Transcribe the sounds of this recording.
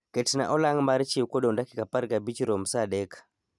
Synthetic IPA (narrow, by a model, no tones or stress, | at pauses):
ketna̰ʔɔlaŋmaɾt͡ʃikoɗondakikapaɾɡabit͡ʃɾomsaɗɛkḁ